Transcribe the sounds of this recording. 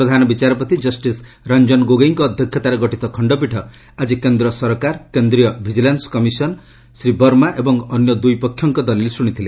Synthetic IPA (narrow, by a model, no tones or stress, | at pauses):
pɾɔd̪ʱanɔbit͡ʃaɾɔpɔt̪id͡ʒʌsʈis | ɾand͡ʒɔnɡoɡejŋkɔːd̪ʱjɔkʰjɔt̪aɾeɡɔʈit̪ɔkʰɔɳɖɔp̬iʈʰɔ | ad͡ʒikend̪ɾɔsɔɾkaɾkend̪ɾijɔbʱid͡ʒilansɔ̥kɔmisɔn | sɾibɔɾmaʔebɔŋɔnjɔd̪ujpɔkʰjɔŋkɔd̪ɔlilesuɽ̃it̪ʰile